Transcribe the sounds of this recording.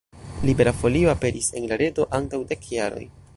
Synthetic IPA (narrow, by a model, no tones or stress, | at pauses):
libe̞ɾafo̞lio̞ape̞ɾʔise̞nlaɾe̞do̞ʔantawde̞kjaɾo̞̰j